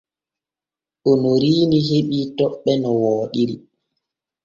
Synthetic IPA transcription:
ɗɔnɔɾiːniɦeɓitɔɓːɛnɔwɔːɗiɾi

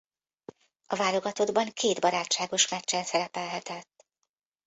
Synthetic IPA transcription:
ɒvaːlo̞ɡɒt̪o̞d̪bɒŋkʰeːd̪bɒɾaːt͡ʃʃaːɡo̞ʃmɛt͡ʃt͡ʃːɛnsɛɾɛpɛlɦɛt̪ɛt̪ː

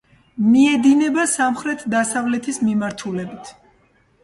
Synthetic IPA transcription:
miɛd̪inɛbasamχɾɛt̪ʰd̪asavlɛt̪ʰismimaɾt̪ʰulɛbit̪ʰ

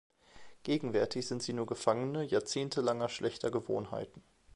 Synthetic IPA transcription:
ɡ̥eːɡŋ̩vɛɐtʰɪçz̥ɪntz̥iːnuːɐɡəfaŋənəjaːɐt͡seːntʰəlaŋɐʃlʔɛçtʰɐɡəvo̰ːnɦa̰ɪtn̩

